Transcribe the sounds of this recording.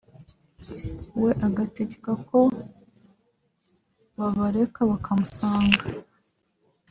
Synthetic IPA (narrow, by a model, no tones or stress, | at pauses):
we̞ʔaɡateɟe̥kako̞ | βaβaɾe̞kaβakʰamusaːŋɡa